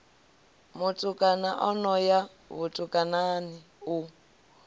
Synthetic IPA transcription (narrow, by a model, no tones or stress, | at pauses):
mʊtʼʊkʼanaʔɔnɔja | βʊtʼʊkʼananɪ | ʊ